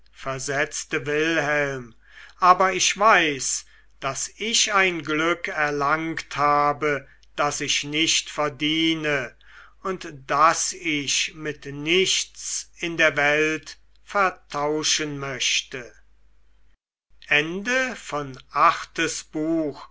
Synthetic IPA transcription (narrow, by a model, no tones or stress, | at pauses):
fɛɐzɛt͡stəvɪlhɛlm | ʔaːbɐɪʃv̥aɪs | d̥asɪʃaɪnɡlʏkɛɐlaŋkthaːbə | d̥asɪʃnɪʃtfɛɐdiːnə | ʊntd̥asɪʃmɪtnɪʃt͡sɪndeːɐvɛlt | fɛɐtʰaʊʃənmœʃtə | ʔɛndəfɔnʔaχtəsb̥uːx